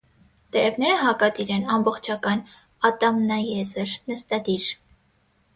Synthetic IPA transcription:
t̪ɛɾɛvnɛɾəɦɑkɑt̪iɾɛnɑmbɔχt͡ʃʰɑkɑn | ɑt̪ɑmnɑjɛzəɾnəst̪ɑd̪iɾ

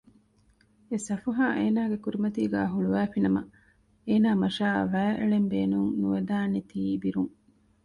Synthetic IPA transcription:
esɐfɐɦaːʔeːnaːɡekuɾimɐt̪iːɡæːɦuɭuʋæːfinɐmɐ̰ | eːnaːmɐʃaːʋæːʔḛɭembeːnuŋnuʋed̪aːnet̪iːbiɾuŋ

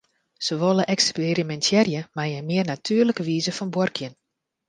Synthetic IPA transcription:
səʋoləʔɛkspeɾimɛntjɛrjəmajəmɪərnatʰyərləkəʋiːzəfɔnbworkʰjən

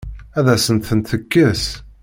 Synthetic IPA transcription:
æðæsənt̪θənt̪θəkːəs

